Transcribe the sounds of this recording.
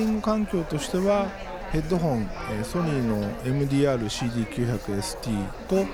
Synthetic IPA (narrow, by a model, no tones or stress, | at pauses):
ĩŋɡɯ̟kãŋkʲo̞ːt̪o̞ɕi̥t̪e̞βa | he̞d̪ːo̞ɦõ̞ɴ̃eso̞ɲʲiːno̞e̞mɯ̟d̪ʲiːaːɾɯ̟ɕiːd̪ʲiːkʲɨ̟ːçakɯ̟e̞sɨ̥t̪ʲiːt̪o̞